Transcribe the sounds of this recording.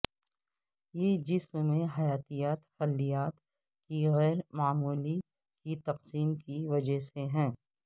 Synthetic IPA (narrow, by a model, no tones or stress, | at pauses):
jeːd͡ʒɪsmmẽɦɐjaːt̪ijaːt̪xɐlːijaːt̪ | kiɣɛːɾmaːmuːli | kit̪ɐqsiːmkiʋɐd͡ʒəɦseɦɛ̃ː